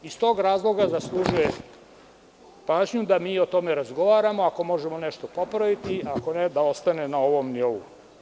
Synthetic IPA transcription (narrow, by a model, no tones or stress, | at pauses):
ist̪o̞ːɡɾaːzlˠo̞ɡazaslˠuːʒuje | paːʒɲud̪amiːot̪o̞me̞ɾazɡo̞ʋaːɾamo̞ako̞mo̞ʒemo̞neʃt̪o̞po̞pɾaʋit̪iako̞ned̪ao̞st̪anenao̞ʋo̞mnioʋṵ